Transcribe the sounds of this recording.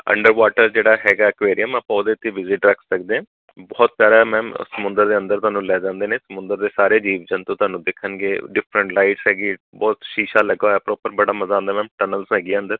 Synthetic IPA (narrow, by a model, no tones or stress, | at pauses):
ə̰̃ɳɖəɾʋaːʈəɾd͡ʒeːɽaːɦɛːɡaːɪkʋeːɾijəmapãod̪eːt̪ːeːʋɪzɪʈɾəkʰsəkd̪eːɛ̃ː | bɔːt̪̚pjaːɽaːmɛ̃ːm̰səmʊ̃nd̪əɾd̪eːə̃nd̪əɾt̪ʊɦaːnũːlɛːd͡ʒãːnd̪eːneːsəmʊ̃nd̪əɾd̪eːsaːɾeːd͡ʒiːʋd͡ʒənt̪õːt̪ʊwaːnũːd̪ekʰːənɡeːɖɪpʰɾəɳʈlaːɪʈsɦɛːɡiːbɔːt̪ʃiːʃaːləɡaːɛːpoʊpːəɾbəɽaːməzãːnd̪aːmɛ̃ːmʈənəlsɦɛːɡiːənd̪əɾ